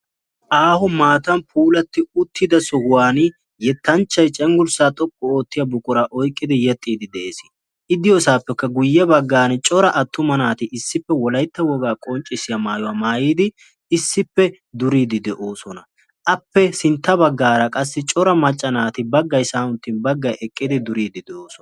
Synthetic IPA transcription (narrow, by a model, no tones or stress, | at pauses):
ʔaːhʊmaːt̪ɐnpʰuːlɐt̪ːɪʊt̪ʰːɪd̪ɐsɔhʊwaːnɪ | jɛt̪ːɐnt͡ʃːɐjt͡ʃʼɛŋɡʊɾsaːt̪ʼɔkʼːɔo̞ːt̪ːɪjɐbʊkʼʊɾaʔɔjkʼːɪd̪ɪjɛt̪ʼːiːd̪ɪd̪ɛʔeːsɪ | ʔɪd̪ɪjosaːpːɛkːɐɡʊjːɛbɐɡːaːnɛt͡ʃʼɔɾɐʔɐt̪ːʊmɐnaːt̪ɪɪsːɪpːɛwɔlɐjt̪ːɐwɔɡaːkʼɔnt͡ʃʼɪsɪjɐmaːjɔwaːmaːjiːd̪ɪ | ɪsːɪpːɛ | d̪ʊɾiːd̪ɪd̪ɛʔo̞ːsɔnɐ | ʔɐpːɛsɪnt̪ːɐbɐɡːaːɾɐkʼɐsːɪt͡ʃʼɔɾɐmɐt͡ʃʼːɐnaːt̪ɪbɐɡːɐjsaːʊnt̪ːɪnbɐɡːɐjʔɛkʼːɪd̪ɪd̪ʊɾiːd̪ɪd̪ɛoːsɔnɐ